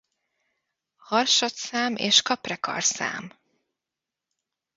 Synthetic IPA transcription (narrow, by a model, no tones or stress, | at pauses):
hɒrʃɒt̪saːmeːʃkɒprɛkɒ̰rsa̰ːm